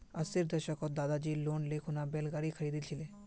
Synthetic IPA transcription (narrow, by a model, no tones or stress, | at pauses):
ɐsɪɾd̪əɾʃəkot̪̚d̪aːd̪ad͡ʒiːloːnlekʰonabeːlɡaːɾikʰɐɾiːd̪it͡ʃʰɪleː